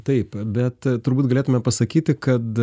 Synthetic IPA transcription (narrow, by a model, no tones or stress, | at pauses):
t̪ɐɪpbʲɛt̪t̪ʊɾbuːt̪ɡɐlʲeːt̪ʊmʲɛpɐsɐkʲiːt̪ʲɪkɐt̪